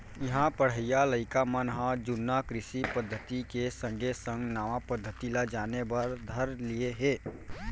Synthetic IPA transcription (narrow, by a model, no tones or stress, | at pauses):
jɪɦãpəɽ̤əjaləɪkamənɦãd͡ʒʊnːakɾɪsipəd̪ʱːət̪ikesə̃ŋɡʱesə̃ŋɡnaːʋapəd̪ʱːət̪ilad͡ʒaːnebəɾd̪ʱəɾlieɦeː